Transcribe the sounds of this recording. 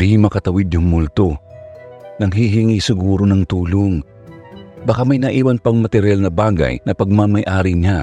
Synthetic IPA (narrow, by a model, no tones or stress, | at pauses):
ɾiːmɐkɐt̪ɐwid̪̚jʊŋmʊlt̪o | nɐŋɦiɦiŋisɪɡuːɾonɐŋt̪uːloŋ | bɐkamɐjnɐʔiːwɐnpɐŋmɐt̪ɛɾjalnɐbaːɡɐ̰jnɐpɐɡ̚mamɐjʔaːɾiɲa